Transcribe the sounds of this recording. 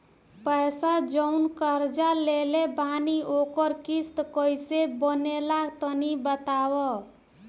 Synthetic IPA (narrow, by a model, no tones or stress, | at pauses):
pəjsad͡ʒəʊnkəɾd͡ʒalelebʱaniokəɾkist̪kəjsebənelakt̪ənibət̪awɔ